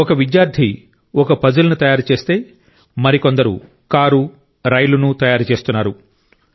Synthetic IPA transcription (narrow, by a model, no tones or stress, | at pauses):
ɔkɐʋid̪jaːɾd̪ʱi | ɔkɐpɐd͡ʒulɐnut̪ɐjaːɾut͡ʃe̞ːst̪e̞ː | mɐɾiko̞nd̪ɐɾṵ | kaːɾu | ɾɐjlunut̪ɐjaːɾut͡ʃe̞ːst̪unːaːɾu